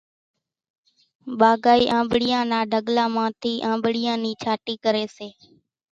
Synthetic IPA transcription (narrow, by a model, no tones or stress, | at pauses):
ɓaːɡaːiːʔãːmbɽɪjãːnaːɖʱəɠlãːmãːt̪ʰiːʔãːmbɽɪjãːniːt͡ʃʰaːʈiːkəɾeːseː